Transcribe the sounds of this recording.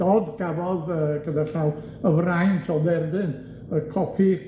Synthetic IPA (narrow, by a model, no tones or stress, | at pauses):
ɔdɡ̥avɔðəɡədarɬaw | əvrajntʰɔðɛrdɨn | əkʰɔpʰi